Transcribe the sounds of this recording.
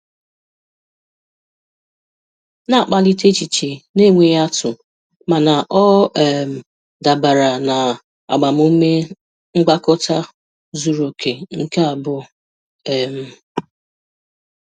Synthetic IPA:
na˦˨k͡pa˦li˦te˦t͡ʃi˨t͡ʃe˨ne˦˨ŋʷe˨ja˦tʊ˨ | ma˨na˨ʔɔ˦ɛ˨m̩˨ | da˨ba˨ɾa˨na˨ | a̰˨ɡ͡ba˨m̩u˦me˦ | ŋ̩˦ɡ͡ba˦kʊ˦ta˦ | zu˨ɾo˨kʰe˨ŋ̩˦ke˦a˨bʊ˦ | ɛ˨m̩˦

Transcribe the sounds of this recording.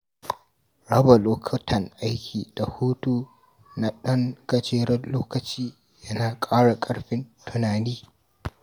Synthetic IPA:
ɽɐ˦ba˨loː˦kʰɐ˦tʰɐ˨ŋʔa˦jkʲʰiː˨d̥a˨huː˦tuː˦ | na˨ɗɐ˦ŋkɐ˨t͡ʃeː˦ɽɐ˦loː˦kɐ˨t͡ʃiː˦ | jɐ˦naː˨kʼaː˦ɽa˨kʼɐ˦ɽɸɪ˦ntʰʊ˦naː˨niː˦

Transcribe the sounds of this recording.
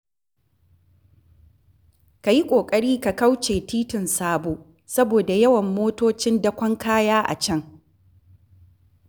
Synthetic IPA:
ka˨ji˦kʷʼoː˨kʼɐ˦ɽiː˦ka˨ka˦wt͡ʃeː˨tiː˦tɪ˨nsaː˦boː˨ | sɐ˦boː˨da˨jɐ˦wɐ˨mːoː˦toː˦t͡ʃɪ˦ndɐ˦kʷɐ˦ŋkaː˦jaː˦ʔa̰˨t͡ʃɐ˦ŋ

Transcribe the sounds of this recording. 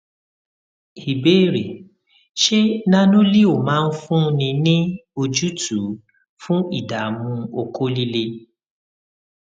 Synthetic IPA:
hi˨beː˦˨ɾe˨ | ʃe˦nã˦nũ˦li˦o˨mãː˦n̩˦fũ˦˧nĩ˧nĩ˦o˧d͡ʒu˦tu˨˦ | fũ˦i˦˨da˨mũ˧o˧ko˦li˦le˧

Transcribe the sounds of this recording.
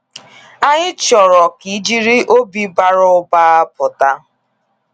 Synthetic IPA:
a˦ɲɪ˦t͡ʃɔ˨ɾɔ˨ki˨˦d͡ʒi˦ɾi˦ʔo˦bi˦ba˦ɾʊ˦ʊ˦ba˦a˦pʊ˨ta˦

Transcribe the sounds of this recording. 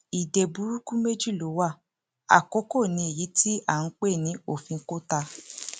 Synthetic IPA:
i˨de˨bu˨˦ɾu˦kũ˦me˦d͡ʒi˦˨lo˨˦wa˦˨ | a̰˨ko˨˦ko˦˨nĩ˧˦e˨ji˨˦tʰi˦ʔa˦˨n̩˦k͡pe˦˨nĩ˨˦o˦˨fĩ˧ŋ̩˦ko˦ta˧

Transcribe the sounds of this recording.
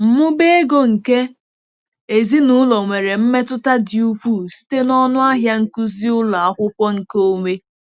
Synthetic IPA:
m̩˨mʊ˦be˦e˦ɡo˨ŋ̩˨ke˦ | e˨zi˦nu˦lɔ˨ŋʷe˨ɾe˨m̩˦me˦tʊ˦ta˦dɪ˨u˦kʷu˦si̥˦te˦nɔ˦nʊ˦a˦ɦja˦ŋ̩˦ku˦zi˦ʊ˦la˨a˦kʷʊ˦kʷɔ˦ŋ̩˨ko˦me˦

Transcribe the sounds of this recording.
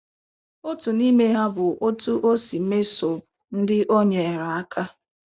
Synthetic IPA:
o˦tu˨ni˦me˦ɦa˦bʊ˨ʔo˦tu˦ʔo˦si˨˦me˦sʊ˨ | n̩˦dɪ˦ʔo˦ɲe˨ɾa˨a˦kʰa˦

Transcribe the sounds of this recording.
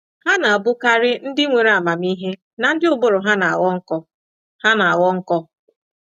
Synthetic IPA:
ha˦na˨a˨bʊ˦ka˦ɾɪ˦n̩˦dɪ˦ŋʷe˨ɾa˨ma˨mi˦ɦe˦ | na˨n̩˦dɪ˦ʊ˦bʊ˦ɾʊ˨ɦa˦na˨a̰˨wɔ˦ŋ̩˦kɔ˦ | ha˦na˨a˨wɔ˦ŋ̩˦kɔ˦

